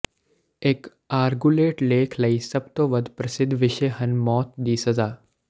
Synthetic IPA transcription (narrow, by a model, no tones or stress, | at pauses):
eːk | aːɾɡuleːʈleːkʰlɐisɐb̚t̪oːʋɐd̪ʱpɾɐsɪd̪ʱːʋɪʃəɦɐnmɔːt̪̚d̪iːsɐzaː